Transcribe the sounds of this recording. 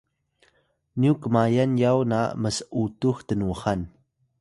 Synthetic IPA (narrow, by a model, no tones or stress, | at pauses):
niukəmajanjawna̰məsəʔutuxtənuxan